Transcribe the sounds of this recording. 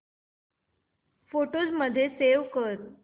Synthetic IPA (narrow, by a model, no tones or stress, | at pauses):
foʈod͡zməd̪ʱːjeseʋkəɾ